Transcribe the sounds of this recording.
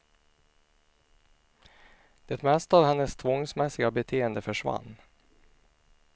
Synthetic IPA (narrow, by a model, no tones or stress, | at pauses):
d̪̥ɛt̪mɛst̪ɑːvhɛnːəst̪ʰvɔŋsmɛsɪɡabɛt̪ʰeːənd̪əfœʂva̰nː